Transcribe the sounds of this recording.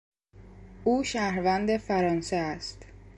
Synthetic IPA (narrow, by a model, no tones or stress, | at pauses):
ʔuːʃæhɾvænd̪efæɾɒːnseæst̪